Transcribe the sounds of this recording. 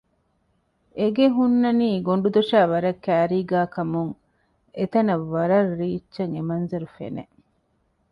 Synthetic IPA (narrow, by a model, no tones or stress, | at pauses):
eɡeɦunːɐniːɡoɳɖud̪oʃæːʋɐɾɐkːæːɾiːɡaːkɐmuŋ | et̪ɐnɐʋːɐɾɐɾɾiːt͡ʃːʃɐŋemɐnzɐɾufḛnḛ